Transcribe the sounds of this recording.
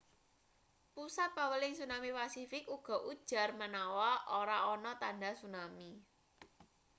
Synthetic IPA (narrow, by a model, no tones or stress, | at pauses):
pusat̪̚pawəlɪŋsunamipasifɪkuɡ̥ɔ̤ʔud̥ʒ̥a̤rmənawɔoɾaɔnɔt̪anasunami